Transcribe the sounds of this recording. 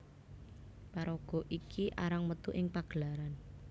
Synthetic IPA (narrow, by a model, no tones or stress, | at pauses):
paɾɔɡ̥ɔ̤ʔikʰiʔaɾaŋmət̪uʔɪŋpaɡ̥əlaɾan